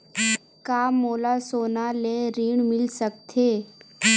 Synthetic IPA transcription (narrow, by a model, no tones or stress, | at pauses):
kamolasonaleɾiːɳmilsək̚t̪ʰe